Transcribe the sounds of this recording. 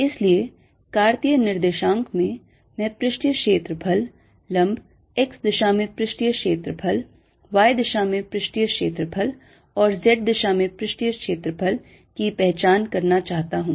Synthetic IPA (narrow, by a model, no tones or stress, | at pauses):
ɪslie | kaːɾt̪ijənɪɾd̪eːʃãːŋkmẽ | mɛ̃ːpɾɪʃʈjəkʃeːt̪ɾəpʰɐlː | ɐ̃mb | eksd̪ɪʃamẽpɾɪʃʈijəkʃeːt̪ɾəpʰɐl | ʋaːjd̪ɪʃamẽpɾɪʃʈjəkʃeːt̪ɾəpʰəl | ɔːɾzɛʈ̚d̪ɪʃamẽpɾɪʃʈijəkʃeːt̪ɾəpʰəl | kipɛɦt͡ʃaːnkɐɾnat͡ʃaːɦt̪aɦũː